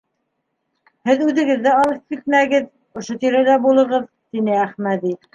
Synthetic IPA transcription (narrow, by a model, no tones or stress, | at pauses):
hɘðʉðɘ̆ɡɘ̆ðːæɑlˠɤp̚kit̪̚mæɡɘð | ŏʃot̪iɾælæbulˠɤ̆ʁɤð | t̪inɘæχmæd̪i